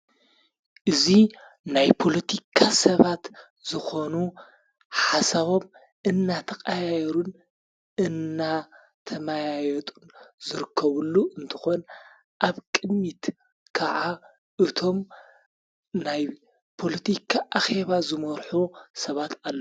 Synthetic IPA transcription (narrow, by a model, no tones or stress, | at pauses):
ʔɨzi | najpʰo̞lɐt̪ʰikʰasɐβat̪ | zɨxo̞nu | ħasaβo̞m | ɨnːat̪ʰɐkʼajajɛɾun | ɨnːa | t̪ʰɐmajajɛt̪ʼunzɨɾɨkʰːɐβulːuʔɨnt̪ʰɨ̥xo̞n | ʔaβkʼɨmit̪ | kʰaʕa | ʔɨt̪ʰo̞m | naj | pʰo̞lɐt̪ʰikʰaʔaxe̞βazɨmɐɾħusɐβat̪alːɐ